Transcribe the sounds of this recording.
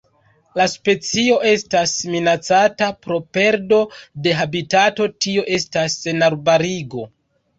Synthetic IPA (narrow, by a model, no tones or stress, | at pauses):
laspe̞t͡sio̞ʔe̞stasminat͡satapɾo̞pe̞ɾdo̞de̞ɦabitato̞tio̞ʔe̞stasenaɾbaɾiɡo̞